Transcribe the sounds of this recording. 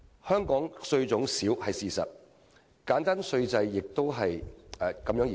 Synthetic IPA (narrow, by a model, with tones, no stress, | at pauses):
hœː˥ŋkɔː˨˥ŋsɵ˧ɥt͡sʊ˨˥ŋsiː˨˥whɐ˨jsiː˨˩sɐ̰˨t̚ | kaː˨˥nt̪aː˥nsɵ˧ɥt͡sɐ˧jːɪ˨k̚t̪o˥wɦɐ˨jɛː˨kɐ˨˧mjœː˨˥jiː˨